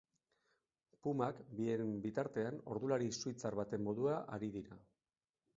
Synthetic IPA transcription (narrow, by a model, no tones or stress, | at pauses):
pumakbie̞mbit̪aɾt̪e̞ano̞̰ɾðulaɾisuit͡saɾβat̪e̞mːo̞ðuaʔaɾiðiɾa